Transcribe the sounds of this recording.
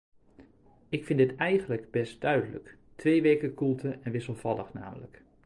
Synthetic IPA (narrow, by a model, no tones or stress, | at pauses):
ɪkfɪndɪtɛjɣən̩ləkbɛst̚d̥œɥdələ̰k | tʰʋeːʋeːkəkʰulˠtʰəɛnʋɪsəlˠv̥ɑlˠə̰xna̰ːmələ̰k